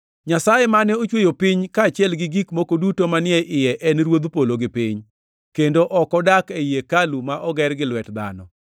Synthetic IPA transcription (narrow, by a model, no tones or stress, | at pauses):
ɲasajemanɛot͡ʃwojopɪɲkaːt͡ʃɪɛlɡɪɡikmokodutomanɪɛʔɪjɛʔɛnɾwod̪poloɡɪpɪɲ | kendoʔɔkɔdakejekalumaʔɔɡɛrɡɪlwɛtd̪a̰nɔ̰